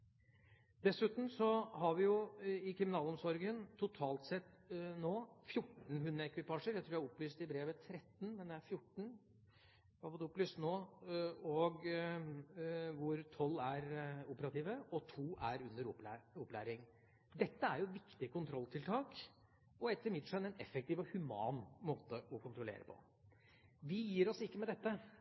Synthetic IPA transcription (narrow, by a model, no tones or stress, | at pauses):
d̪ɛsʉːt̪m̩sɔhɑɾʋɪjʊɪkʰɾɪmɪnɑːlɔmsɔɾɡənt̪ʰːʊt̪ʰɑːlt̪sɛt̪ːnoːfjʊʈːɳ̩ɦʉnd̪ɾəɛkʋɪpɑːʂəɾjæɪt̪ʰɾʉːjæhɑɔplyːst̪ɪbɾeːʋət̪ʰɾɛt̪ːn̩mɛnd̪ɛæɾfjʊʈːɳ̩ | æhɑɾfɔt̪ːɔplyːst̪noː | ɔɡ | ʋʊɾt̪ʰɔlːæɾuːpəɾɑt̪iːʋəɔt̪ʰuːæɾʉnəɾɔplæɔpːlæːɾɪŋ | d̪ɛt̪ːəæɾjʊʋɪkt̪ɪəkʊnt̪ʰɾɔlt̪ʰɪlt̪ʰɑːk | ɔɛt̪ːəɾmɪd̪ʂɛnɛnɛ̰fːɛk̚t̪iːʋɔhʉmɑ̰ːnmoːt̪əʔɔkʰʊnt̪ɾʊlḛːɾəpʰɔ̰ | ʋɪjiːɾɔsɪkːəmɛd̪ɛt̪ːə